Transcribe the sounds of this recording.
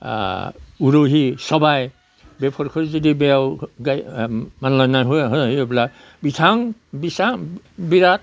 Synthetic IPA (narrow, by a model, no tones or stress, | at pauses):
uɹoɦisɔbaj | bɛpʰɔɹkʰɔɹzɔdibɛawɡajmanlɔjnajɦɔjɦɔɦijɔbla | bitʰaŋbisa | biɾat̚